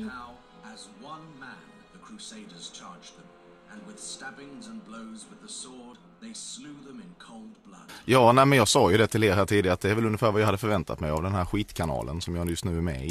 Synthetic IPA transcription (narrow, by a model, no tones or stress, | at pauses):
naʊ | əzwʌ̃nmæ̃nðɨkʰɹ̥ʉseɪɾə˞z̥t͡ʃʰɑɹd͡ʒðə̃m | ɨ̃nwɨð̥stæbɪ̃ŋzə̃nbloʊzwɨðəsɔɹd̪̚ | ðeɪslʉðə̃mɨ̃nkʰoʊlˠd̚blʌ̰d̥jɑːnæːmɛnjɑːɡsɑːjɵd̪ɛt̪ʰɪleːɾɦæːʈʰiːd̪ɪɡaɾat̪d̪ɛæɾvɛlɵnɡəfæːɾvajɑːhad̪ːəfœɾvɛnt̪ʰa̰t̪mɛjavd̪ɛnɦæːɾɧiːt̪kʰanɑ̰ːlʔə̰nsɔmjɑːjɵst̪nʉ̟ːæmɛ̰ɪ